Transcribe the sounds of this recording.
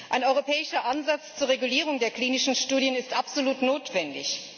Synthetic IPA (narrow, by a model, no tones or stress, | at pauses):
ʔaɪnɔʏʁ̞opʰɛːɪʃɐʔanzat͡st͡suːɐʁeɡuliːʁ̞ʊŋdeːɐkl̥iːnɪʃn̩ʃtuːdjənɪstʔapz̥oluːtnoːtv̥ɛndɪç